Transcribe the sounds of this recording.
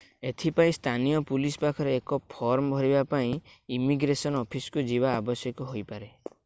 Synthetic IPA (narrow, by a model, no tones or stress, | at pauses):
et̪ʰipaĩst̪ʰanijɔpulisɔpakʰɔɾeːkɔpʰɔɾmɔbʱɔɾibapaĩimiɡɾesɔnɔpʰiskud͡ʒiβaːbɔsjɔkɔɦojpaɾe